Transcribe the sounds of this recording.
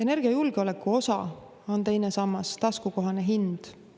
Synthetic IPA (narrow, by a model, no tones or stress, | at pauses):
e̞ne̞rɡ̥iɑjulɡ̥eo̞le̞kːˑuo̞sɑ | o̞nt̪e̞jnesɑmːɑst̪ɑskuko̞ɦɑneɦind̪̥